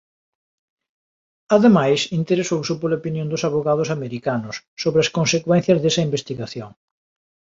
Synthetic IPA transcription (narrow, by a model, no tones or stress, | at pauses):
aðemajsint̪eɾesowsopolaopinjõnd̪ʊsaβoɣað̞ʊsameɾikanʊsːoβɾeɐskõnsekwɛn̟θjɐzðesɐimbest̪iɣaθjoŋ